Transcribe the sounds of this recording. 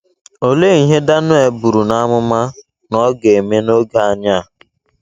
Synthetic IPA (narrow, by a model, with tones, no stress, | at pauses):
o˦le˦i˨ɦe˦da˦nʊ˦e˨bu˨ɾu˨na˦mʊ˦ma˦ | nɔ˦ɡe˨e˨me˦no˦ɡa˨a˦˨ɲa˦˨